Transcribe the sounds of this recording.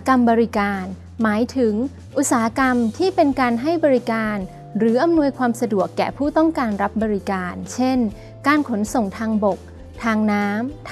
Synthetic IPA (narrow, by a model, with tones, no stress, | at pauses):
ka˧mbɔː˧ɾi˦˥kaː˧n | maː˩˦jt̪ʰɯ˩˦ŋ | ʔu˨˩t̚saː˩˦a˦˥ka˧mt̪ʰiː˥˩pe˧nkaː˧nɦa˥˩jbɔː˧ɾi˦˥kaː˧n | ɾɯː˩˦ʔa˧mnu˧əjkʰwaː˧msa˧du˨˩əkːɛ̰ː˨˩pʰuː˥˩t̪ɔ˥˩ŋkaː˧nɾa˦˥p̚bɔː˧ɾi˦˥kaː˧nt͡ɕʰe˥˩n | kaː˧nkʰo˩˦nso˨˩ŋt̪ʰaː˧ŋbo˨˩k̚ | t̪ʰaː˧ŋnaː˦˥mtʰ